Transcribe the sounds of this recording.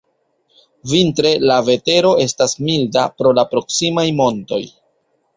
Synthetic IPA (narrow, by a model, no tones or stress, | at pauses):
vintɾe̞lave̞te̞ɾo̞e̞stasmilda̰pɾo̞lapɾo̞ksimajmo̞nto̞̰j